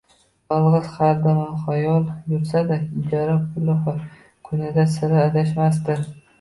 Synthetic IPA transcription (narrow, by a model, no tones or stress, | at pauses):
jɒlˠʁɨzχaɾd̪amanχajɒlˠjʊɾsad̪aɪd͡ʒaɾapʰʊlɪ | kʰʊnɪd̪asɪɾɪad̪aʃmas̬t̪ɪ